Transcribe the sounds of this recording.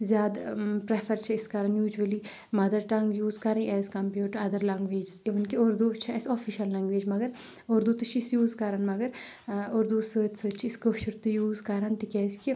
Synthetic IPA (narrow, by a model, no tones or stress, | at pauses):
zʲjaːd̪pɾefʰɐɾt͡ʃʰɐiskɐɾɐnjuːd͡ʒuɐli | mɐd̪ɐɾʈɐŋɡjuːzkɐɾɐ̃ĩɛːzkɐmpjuːʈɐɾɐd̪ɐɾlɐŋɡʋeːd͡ʒsiʋɐnkioːɾd̪uːt͡ʃʰɐɛsoːfʰiʃɐllɐŋɡʋeːd͡ʒmɐɡɐɾ | oːɾd̪uːt̪ut͡ʃʰiisjuːzkɐɾanmɐɡɐɾ | oɾd̪uːsəːt̪səːt͡ʃʰiiskəfʃuɾt̪ujuːzkɐɾant̪ikʲɛːski